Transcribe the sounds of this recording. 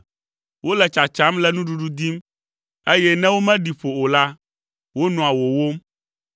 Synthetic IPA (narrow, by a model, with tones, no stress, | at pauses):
wo˦lɛ˨t͡ʃa˨t͡ʃa˨˦mlɛ˦nũ˦ɖu˦ɖu˦d̪i˦m | e˦jɛ˦nɛ̃˦wo˦mɛ̃˦ɖi˨ɸo˨o˨la˦ | wo˦nɔ̃˨a˨wo˨wo˦m